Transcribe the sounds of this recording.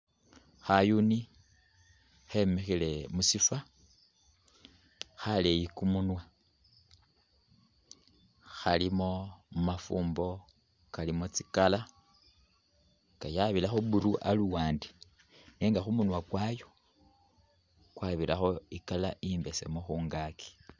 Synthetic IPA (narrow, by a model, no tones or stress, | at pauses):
xajuni | xe̞mexile̞musifa | xale̞jikumunwa | xalimo̞mumafuːmbo̞ | kalimot͡si̥kala | ŋɡajaβilaxoβuɾuʔaluwaːnde̥ | neːŋɡaxumunwakwajo̞ | kwaβiɾaxo̞ikalaʔimbe̞se̞̰moxuːŋɡaki̥